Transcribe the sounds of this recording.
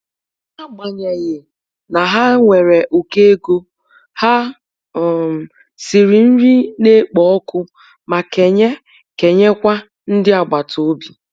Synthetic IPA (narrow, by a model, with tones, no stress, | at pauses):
a˦ɡ͡ba˨ɲe˨ɣɪ˨ | na˨ɦa˦ŋʷe˨ɾe˨ʔo˨ke˦ɡo˦ | ha˦˨ | si˨ɾi˨n̩˦ɾi˦ne˦k͡pɔ˨ɔ˦kʊ˦ | ma˨ke˨ɲe˦ | ke˨ɲe˦kʷa˦ | n̩˦dɪ˦a˨ɡ͡ba˨tʰo˨˦bi˨